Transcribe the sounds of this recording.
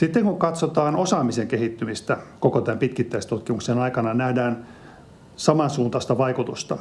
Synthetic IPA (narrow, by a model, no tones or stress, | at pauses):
sit̪ːeŋkuŋkɑt̪sot̪ɑːnosɑːmiseŋkehit̪ːymist̪ækokot̪æmpit̪kit̪ːæist̪ut̪kimuksenɑikɑnɑnæhdæːn | sɑmɑnsuːnt̪ɑst̪ɑʋɑikut̪ust̪ɑ